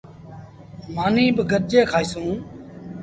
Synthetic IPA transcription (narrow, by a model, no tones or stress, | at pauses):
maːnĩːbəɡʱəɾd͡ʒeːkʰaːisũː